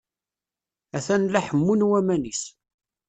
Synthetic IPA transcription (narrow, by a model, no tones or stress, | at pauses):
æθænlæħəmːunwæmænis